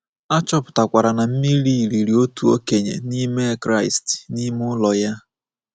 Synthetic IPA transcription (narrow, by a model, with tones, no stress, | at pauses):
a˦t͡ʃɔ˦pʊ̥˨ta˨kʷa˨ɾa˨na˨m̩˦mi˦li˦˨ɾi˨ɾi˨o˦tu˨o˦ke˨ɲḛ˨ni˦me˦kɾa˦ɪ˨stni˦m˦ʊ˦lɔ˨ja˦